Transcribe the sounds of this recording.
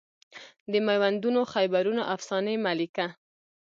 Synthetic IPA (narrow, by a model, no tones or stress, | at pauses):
d̪əmajwand̪unoxajbaɾunoʔafsɑnəjmalika